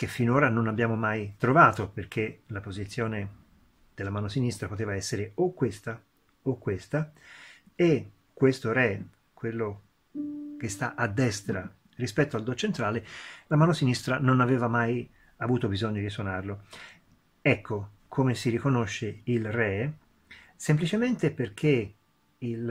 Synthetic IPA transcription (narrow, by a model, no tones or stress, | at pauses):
k̟efːinoːɾanonabjaːmomajt̪ɾovaːt̪operk̟ʰelapozit̪sːjoːne | d̪̥elːamaːnosinist̪ɾapot̪eːvaɛsːeɾeokːwest̪a | okːwest̪a | e | kːwest̪oɾɛ | kwelːo | k̟est̪aʔad̪ːɛst̪ɾa | rispɛt̪ːoald̪ot͡ʃːent̪ɾaːlelamaːnosinist̪ɾanonaveːvamaj | avuːt̪obizoɲːod̪iswonarlo | ɛkːo | kʰomesirikonoʃːeilrɛ | semplit͡ʃement̪eperk̟ʰe | il